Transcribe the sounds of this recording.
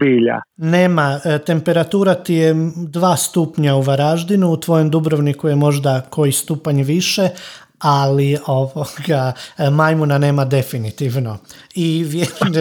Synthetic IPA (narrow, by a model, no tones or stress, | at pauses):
biːʎa̰ne̞ːmat̪e̞mpe̞ɾat̪uːɾat̪ijed̪ʋaːst̪upɲauʋaɾaʒd̪inuut̪ʋo̞jo̞md̪ubɾoʋnikujemo̞ʒd̪akʰo̞jist̪uːpaɲʋiʃe̞ | alio̞ʋoɡamajmunane̞ːmad̪e̞finit̪iʋno̞iʋjeɾom